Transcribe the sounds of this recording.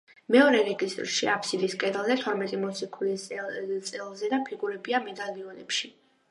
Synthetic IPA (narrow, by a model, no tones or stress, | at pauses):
mɛɔɾɛɾɛɡist̪ʼɾʃiapʰsid̪iskʼɛd̪ɛlˠzɛt̪ʰwɔɾmɛt̪ʼimɔsikʰulit̪sʼɛlˠzɛd̪apʰiɡuɾɛbiamɛd̪aliɔnɛpʃi